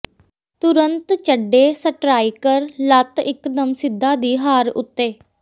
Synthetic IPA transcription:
t̪ʊɾənt̪t͡ʃəɖeːsəʈɾaːiːkəɾlət̪ɪkd̪əmsɪd̪ːaːd̪iːɦaːɾʊ̰t̪ːeː

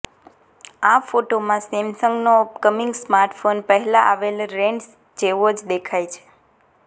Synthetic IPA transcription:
afoʈomãsemsəŋɡnoupkəmiŋɡsmaɾʈfonpəɦɛlaʔaʋelɾeɳɖs | d͡ʒeʋod͡ʒd̪ekʰajt͡ʃʰe̥

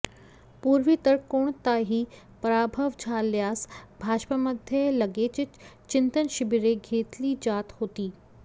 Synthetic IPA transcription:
puːɾʋit̪əɾkoːɽ̃t̪aːɦiː | pɾaːbʱəʋd͡ʒʱaːljaːsbʱaːʃpəmɐd̪ʱjəlɐɡeːt͡ʃɪt͡ʃt͡ʃɪ̃nt̪ənʃɪbiɾeɡʱeːt̪lid͡ʑaːt̪hoːt̪iː

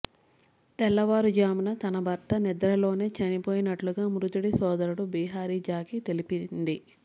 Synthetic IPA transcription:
t̪ɛlːɐʋaːɾud͡ʒaːminɐt̪ɐnɐbʱɐɾt̪ɐnid̪ɐɾɐlo̞ːne̞ːt͡ʃɐnipoːjinɐʈluɡaːmɾut̪uɽisɔːd̪ɐɾuɽubiːɦaːɾiːd͡ʒaːkit̪e̞lipind̪i

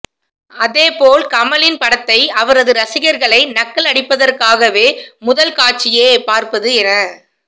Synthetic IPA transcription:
ɐðeːpoːlkɐmɐlɪnpɐɽɐt̪ːɐɪɐʋɐɾɐðɯɾɐsɪɣɐɾɣɐɭɐɪnɐkːɐlɐɽɪpːɐðɐrkaːɣɐʋeːmʊðɐlkaːʈ̚t͡ʃːɪjeːpaːɾpɐðɯɛnɐ

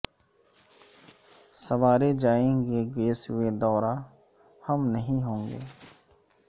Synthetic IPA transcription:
sɐʋaːɾed͡ʒaːẽːŋɡeɡeːsʊed̪ɔːɾa | hɐmnɐɦĩɦõːŋɡḛː

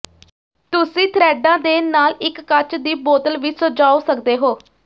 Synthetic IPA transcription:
t̪ʊsĩːt̪ʰɾɛːɖãːd̪eːnaːlɪkːət͡ʃd̪iːboːt̪əlʋɪsod͡ʒaːoːsəkd̪eːɦoː

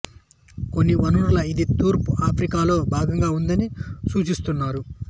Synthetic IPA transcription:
ko̞nːiʋɐnuɽulɐid̪it̪uːɾpuaːpʰɾikaːlo̞ːbʱaːɡɐŋɡaːund̪ɐnisuːt͡ʃist̪unːaːɾu

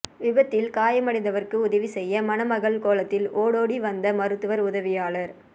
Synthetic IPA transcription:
ʋɪbɐt̪ːɪlkaːjɐmɐɽɪnd̪ɐʋɐɾkɯʊðɐʋisɛjːɐmɐnɐmɐɣɐɭkoːɭɐt̪ːɪlʔoːɽoːɽiʋɐnd̪ɐmɐɾɯt̪ːɯʋɐɾʊðɐʋɪjaːlɐɾ

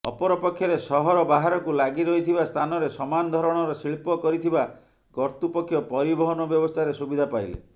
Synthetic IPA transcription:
ɔ̰pɔɾɔpɔkʰːjɔɾesɔɦɔɾɔbaɦaɾɔkulaɡiɾɔɦit̪ʰibast̪ʰanɔɾesɔmanɔd̪ʱɔɾɔɽ̃ɔɾɔsiɭpɔkɔɾit̪ʰiba | kɔɾt̪upɔkʰjɔpɔɾibɔɦɔnɔbjɔbɔst̪ʰaɾesubid̪ʱapajlḛ

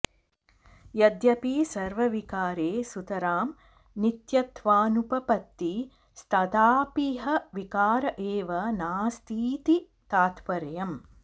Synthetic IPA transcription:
jɐd̪jɐpiːsɐɾʋɐʋikaːɾeːsut̪ɐɾaːm | nit̪jɐt̪ʋaːnupɐpɐt̪ːi | st̪ɐd̪aːpiɦɐʋikaːɾɐʔeːʋɐnaːst̪ʰiːt̪i | t̪aːt̪ʋɐɾɐjɐm

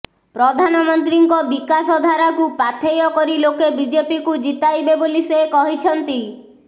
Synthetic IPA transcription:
pɾɔd̪ʱanɔmɔnt̪ɾiŋkɔbikasɔd̪ʱaɾakupat̪ʰejɔkɔɾilokebid͡ʒepikud͡ʒit̪ajbebolisekɔɦit͡ʃʰɔnt̪i

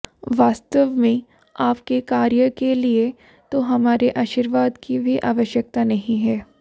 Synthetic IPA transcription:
ʋaːst̪əʋmẽ | aːpkekaːɾjəkelie | t̪oɦɐmaːɾeʔaːʃiːɾʋaːd̪kibʱiʔaːʋəʃjək̚t̪anɐɦĩɦɛː

